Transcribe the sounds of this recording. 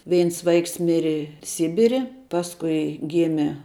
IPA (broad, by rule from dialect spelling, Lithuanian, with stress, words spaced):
ˈʋʲɛɪns ˈʋɐɪks ˈmʲɪrʲɪ ˈsʲɪbʲɪrʲɪ ˈpɑːskʊɪ ˈɡʲɪmʲeː